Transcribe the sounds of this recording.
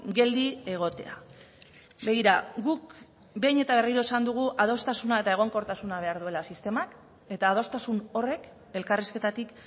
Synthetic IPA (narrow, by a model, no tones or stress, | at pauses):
ɡe̞ld̪ie̞ɣ̞o̞t̪e̞̰a̰ | be̞ɣiɾaɣuk | be̞jɲe̞t̪aβe̞riɾo̞esand̪uɣ̞uʔað̞o̞st̪asunae̞t̪ae̞ɣ̞o̞ŋko̞ɾt̪asunaβe̞aɾðue̞lasist̪e̞mak | e̞t̪aːð̞o̞st̪asuno̞re̞k | e̞lkariske̞t̪at̪ik